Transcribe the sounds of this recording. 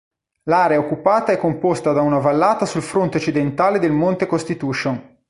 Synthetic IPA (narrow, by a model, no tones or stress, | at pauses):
laːɾeaokːupaːt̪aɛkːompost̪ad̪aunavalːaːt̪asulfɾont̪eot͡ʃːid̪ent̪aːled̪elmont̪ekost̪it̪uːʃon